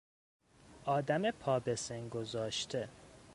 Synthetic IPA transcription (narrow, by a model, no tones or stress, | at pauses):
ʔɒːd̪æmepʰɒːbeseŋɡo̞zɒːʃt̪ʰe